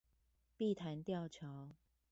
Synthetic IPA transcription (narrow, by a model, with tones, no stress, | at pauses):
pi˥˨t̪ʰa˨˦nt̪jɑ˥˨ʊt͡ɕʰjɑ˨˥ʊ